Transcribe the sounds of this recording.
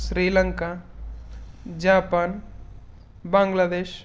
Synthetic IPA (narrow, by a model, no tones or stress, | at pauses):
sɾiːləŋka | d͡ʒaːpaːn | bãːŋɡlaːd̪eːʃ